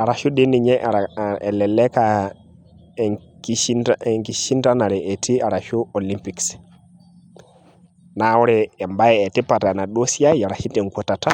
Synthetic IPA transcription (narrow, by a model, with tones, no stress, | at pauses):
a˨ɾa˨ʃu˦ɗe˦ni˨ɲe˦ʔe˨lɛ˨le˦ka˨ | ki˦i˦ae˨ŋki˨ʃi˦nta˦na˨ɾɛ˨ʔe˨ti˦a˨ɾa˨ʃu˦o˨li˦mpi˨ks | na˨˦wu˦ɾɛː˨mba˦jɛ˨e˨ti˦pa˨ta˨na˨ɗo˦si˦ja˦ja˨ɾa˨ʃi˦te˨ŋkʷo˨ta˨ta˦